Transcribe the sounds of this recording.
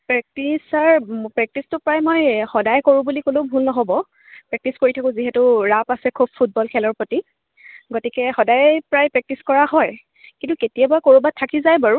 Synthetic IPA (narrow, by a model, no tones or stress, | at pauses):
pɹɛk̚tisaɹpɹɛk̚tistʊpɹajmojxɔdajkoɹũbulikolobʱulnɔɦobɔ | pɹɛk̚tiskoɹitʰakʊ̃ziɦɛtʊɹapasɛkʰub̚pʰːut̚bɔlkʰɛlɔɹpɹoti | ɡotikɛxɔdajpɹajpɹɛk̚tiskɔɹaɦɔj | kintuketijabakoɹubat̚tʰːakizajbaɹu